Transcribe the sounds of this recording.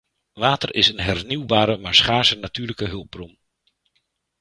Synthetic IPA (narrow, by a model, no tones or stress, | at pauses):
ʋaːtərʔɪsənɦɛrniwbaːɾəmaːɹsχaːsənatyːɹləkəɦɵlˠb̚brum